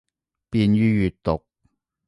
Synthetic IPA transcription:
piː˧nɥyː˥jyː˨t̚t̪ʊ˨k̚

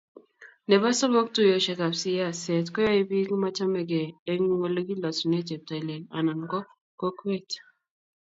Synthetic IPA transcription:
nɛ˨ba˦sɔ˦mɔ˦k̚tu˦jo˨ʃɛ˨ka˨psi˦ja˦˨sɛ˨tkɔ˦jɔ˦i˦bi˦kma˦t͡ʃa˦mɛ˨ɡeː˨˦ŋ˦ŋo˨lo˦ɡi˦lɔ˨su˨ne˦te˨p̚ta˨i˨le˨na̰˨na˨nkɔ˦ | ko˦kwe˦t

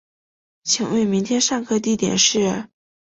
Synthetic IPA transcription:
t͡ɕʰi˨˩˦ŋwe˥˩ɪmi˧˥ŋt̪ʰjɛ˥nʂa˥˧ŋkʰɤ˥˧t̪i˥˩t̪jɛ̰˨˩nʂɻ̩˥˩

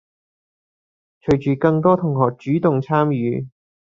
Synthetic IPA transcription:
t͡ʃʰɵ˨˩ɥt͡ʃyː˨kɐ˧ŋt̪ɔː˥t̪ʰʊ˨˩ŋhɔː˨k̚t͡ʃyː˨˥t̪ʊ˨ŋt͡sʰaː˥mjyː˨˧

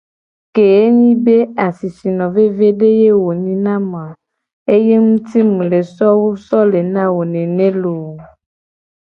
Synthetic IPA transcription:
ke˨e˦ɲĩ˦be˦a˨si˨si˨nɔ̃˨ve˦ve˦ɖe˦je˦wo˨ɲĩ˦nã˦m˨ã˨ | e˦je˦ŋũ˦t̪i˦mũ˨le˨sɔ˦wo˦sɔ˦le˨nã˦wo˨nẽ˨nẽ˦lo˨

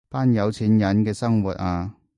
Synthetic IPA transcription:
paː˥njɐ˨˧wt͡sʰiː˨˥njɐ˨˧˥nkɛː˧sɐ˥ŋwuː˨˩t̚ʔaː˧

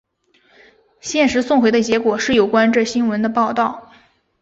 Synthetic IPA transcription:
ɕjɛ˥˩nʂɻ̩˧˥sʊ˥˩ŋxwe˧˥ɪd̪ə˧t͡ɕjɛ˧˥kwɔ˨˩ʂɻ̩˥˩jo˨˩ʊkwa˥nʈ͡ʂɤ˥˩ɕi˥nwə˧˥nd̪ə˧pɑ˥˧ʊt̪ɑ˥˩ʊ

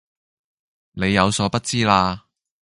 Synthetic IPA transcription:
ne˨˧jːɐ˨˧wsɔː˨˧˥pɐ˥t̚t͡siː˥laː˧

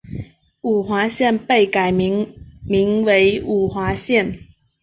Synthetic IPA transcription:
u˨˩xwa˧˥ɕjɛ˥˧˨npe˥˨ɪka˨˩ɪ | mi˨˥ŋwe˨˧˦ɪu˨˩xwa˨˥ɕjɛ˥˨n

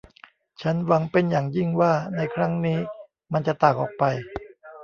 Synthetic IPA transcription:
t͡ɕʰa˦˥nwa˧ŋpe˧njaː˨˩ŋji˥˩ŋwaː˥˩na˧jkʰɾa˦˥ŋniː˦˥ | ma˧nt͡ɕa˨˩t̪aː˨˩k̚ʔɔ̰ː˨˩k̚pa˧j

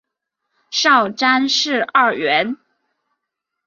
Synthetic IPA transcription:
ʂɑ˥˩ʊʈ͡ʂa˥nʂɻ̩˥˧a˞˥˩ɥɛ˧˥n

